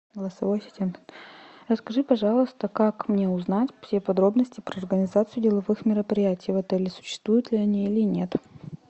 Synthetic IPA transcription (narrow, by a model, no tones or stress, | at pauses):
ɡəlˠəsɐvojsʲɪ̥tʲen | rəskɐʐɨpɐʐɑlˠəst̪əkakmnʲe̞ʊznatʲfsʲepɐd̪ɾo̞bnəsʲtʲɪpɾəɐrɡənʲɪzat̪sɨjʊdʲɪlˠɐvɨxmʲɪɾəpɾʲɪjætʲɪjvɐt̪ɛlʲɪsʊ̥ɕːɪ̥st̪vujʊt̪lʲɪɐnʲiilʲɪnʲe̞t̪